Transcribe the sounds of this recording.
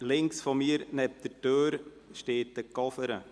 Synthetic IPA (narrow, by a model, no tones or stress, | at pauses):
lɪŋksfɔmiːɾnɛp̚d̥̪əɾtøːɾ | ʃteːt̚əkɔfəɾə